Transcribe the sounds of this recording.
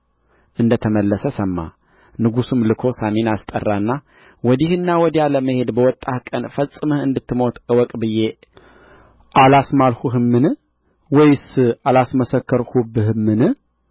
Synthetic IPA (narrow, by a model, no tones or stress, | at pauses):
ʔɨnd̪ət̪ʰəməlːəsəsəmːa̰ | nɨɡusɨmlɨkʰo̞saminast̪ʼə̰rːanːa | wɔd̪ihɨnːawɔd̪ijaləməhe̞d̪bəwɔt̪ʼːahkʼənfəsʼːɨməhɨnd̪ɨt̪ːɨmo̞t̪ʼwɔkʼbɨje̞ | ʔalasmalhuɦɨmːɨnɨ | wɔjsɨalasməsəkːəɾhubɨɦɨmːɨnɨ